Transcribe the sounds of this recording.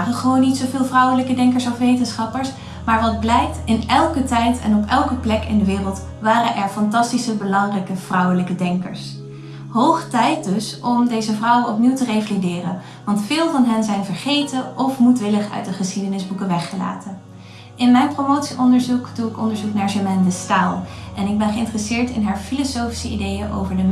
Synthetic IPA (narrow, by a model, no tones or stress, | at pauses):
χəχəʋownːitsowvɪːlˠvrʌwələkədɛŋkəɹsɔfʋejtənsχɑpəɹs | maːɹʋɑd̚blɛjk̚tɪnɛlˠkətɛjtɛ̰nɔpɛlˠkəplɛkɪ̰ndəʋɪːrəlˠt | ʋaːrənʔɛɹfɑntɑstisəbəlɑŋrɛjkəv̥rʌwələkədɛŋkə̰ɹs | ɦowχə̥tɛjt̚dɵsɔmdejzəvrʌwənɔpniwtərejvalidɪːrən | ʋɑntfɪːlˠvɑnɦɛnzɛjnvəɹχejtəʔɔfmutʋɪləχœ̰ɥt̚dəχəsχidənɪzbukəʋɛχəla̰ːtən | ɪnmɛjnpromowtsiʔɔndəɹzukduɪkɔ̰ndəɹzuknaːɹʒəmɛndəstaːlˠɛnɪɡ̚bɛnχəɪntrəsɪːɹtɪnɦaːɹfilosowfi̥səidejənʔo̰wvəɹdə